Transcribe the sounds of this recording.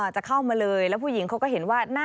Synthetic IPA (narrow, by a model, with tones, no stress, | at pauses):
ʔaː˨˩t͡ɕa˨˩kʰa˥˩wmaː˧lɤː˧jlɛ˦˥pʰuː˥˩ji˩˦ŋkʰa˦˥wkɔː˥˩ɦe˩˦nwaː˥˩naː˥˩